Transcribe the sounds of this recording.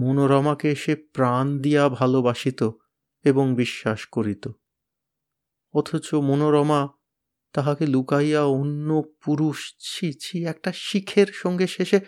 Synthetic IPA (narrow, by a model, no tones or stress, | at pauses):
monoɾɔmakeeʃepɾand̪ijabʱalobaʃit̪o | eboŋbiʃːaʃkoɾit̪o | ɔt̪ʰot͡ɕomonoɾɔma | t̪aɦakelukajaonːopuɾuʃt͡ɕʰit͡ɕʰiɛk̚ʈaʃikʰeɾʃɔŋɡeʃeʃe